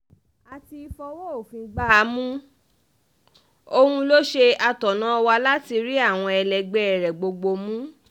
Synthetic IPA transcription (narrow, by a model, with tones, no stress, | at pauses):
a˨ti˧i˧fɔ˧wo˦o˦˨fĩ˧ɡ͡ba˦˨˦mũ˦ | o˧hũ˧lo˦ʃe˧a˧tɔ˨nã˦ɔ˧wa˧la˦ti˧ɾi˦a˦˨w̃ɔ̃˧ɛ˧lɛ˨ɡ͡bɛ˨ɛ˨ɾɛ˨ɡ͡bo˧ɡ͡bo˧mũ˦